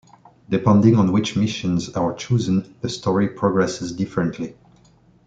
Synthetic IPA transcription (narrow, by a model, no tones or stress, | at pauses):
dɪpɛ̃ndɪ̃ŋə̃nwɪt͡ʃmɪʃə̃nzaɹt͡ʃuzə̃nðəstʰɔɹipʰɹɔɡɹɛsɪzdɪfəɹə̃ntʰli